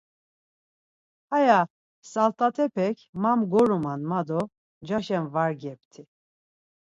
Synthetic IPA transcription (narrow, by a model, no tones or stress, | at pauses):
haja | salt̪ʼat̪ʰɛpʰɛkʰmamɡɔɾumanmad̪ɔ | d͡ʒaʃɛmvaɾɡɛp̚t̪ʰi